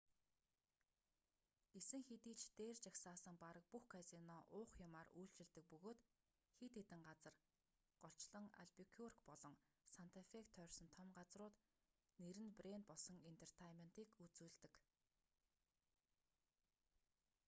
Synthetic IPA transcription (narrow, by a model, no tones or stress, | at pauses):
ɡ̥esɘ̆ŋxet̪iːt͡ɕt̪eːrt͡ɕaksaːsə̆ŋpaɾə̆k̚puxkʰasinɔːʔʊːχjʊmaːrujɬt͡ɕɪ̆ɮt̪ɘ̆k̚pɵɣoːt̪ | xet̪et̪ɘ̆ŋɢat͡sə̆r | ɢ̥ɔɬt͡ɕɮɞ̆ŋa̰ɮpikʰurkpɔɮɞ̆ŋ | san̥t̪ʰafekt̪ʰːœːrʲsɞ̆nt̪ʰɔmɢat͡srʊːt̪ | neɾɘ̆nprent̪̚pɔɮsɞ̆ŋent̪ʰer̥t̪ʰajmen̥t̪iːkut͡suːɮt̪ɘ̆k